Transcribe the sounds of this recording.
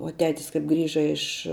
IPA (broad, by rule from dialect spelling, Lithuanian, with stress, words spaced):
uɔ ˈtʲæːtʲɪs kɐp ˈɡrʲiːʒɐ ɪʃ